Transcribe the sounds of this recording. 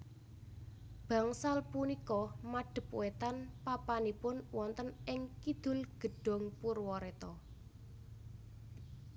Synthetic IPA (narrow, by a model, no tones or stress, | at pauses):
b̥ä̤ŋsalpunikɔmaɖ̥ə̤puwet̪anpapanipʊnwɔnt̪ənɪŋkid̪̥ʊ̤lɡ̥ə̤ɖ̥ɔ̤ŋpurwɔɾet̪ɔ